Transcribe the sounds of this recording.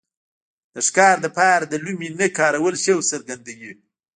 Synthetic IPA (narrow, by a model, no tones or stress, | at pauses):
d̪əʂkɑɾd̪əpɑɾad̪əluminəkɑːɾawəlʃewsəɾɡand̪aɡi